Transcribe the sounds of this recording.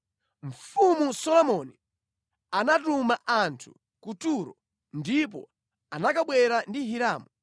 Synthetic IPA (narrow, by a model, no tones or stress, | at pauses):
ɱ̩fumusɔlɔmɔni | anatumaʔantʰu | kutuɾɔ̰ | ndip̬ɔ̰ | anakaɓwɛɾandiɦiɾaːmu